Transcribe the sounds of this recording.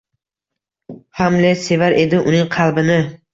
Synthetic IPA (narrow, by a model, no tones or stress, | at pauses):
hamlese̞vaɾʔe̞d̪ɪʔʊnɪŋqʰɑlˠbɪnɪ